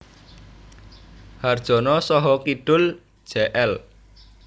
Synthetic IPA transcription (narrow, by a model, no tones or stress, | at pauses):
hard̥ʒ̥ɔ̤nɔsɔɦɔkiɖ̥ʊl̥ | ʒ̥ɛʔɛl